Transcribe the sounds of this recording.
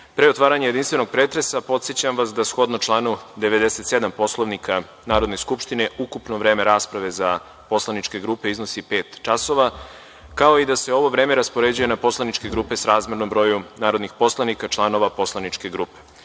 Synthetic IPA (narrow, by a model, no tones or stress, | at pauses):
pɾeot̪ʋaːɾaɲejed̪inst̪ʋe̞no̞ɡ̚pɾeːt̪ɾe̞sapo̞t̪sjet͡ɕamʋasd̪asxo̞d̪not͡ʃlˠaːnud̪eʋe̞d̪eset̪sed̪ampo̞slˠoʋnikʰa | naːɾo̞d̪ne̞skupʃt̪ine̞ʔukupnoʋɾe̞ːme̞ɾaːspɾaʋe̞za | po̞slˠanit͡ʃke̞ɡɾuːpe̞iznosipeːt̪t͡ʃaso̞ʋa | kao̞id̪ase̞o̞ʋo̞ʋɾe̞ːmeɾaspo̞ɾe̞d͡ʑujenapo̞slˠanit͡ʃke̞ɡɾuːpe̞sɾaːzmeɾno̞mbɾo̞junaːɾod̪nixpo̞slˠanikat͡ʃlˠano̞ʋapo̞slˠanit͡ʃke̞ɡɾuːpe̥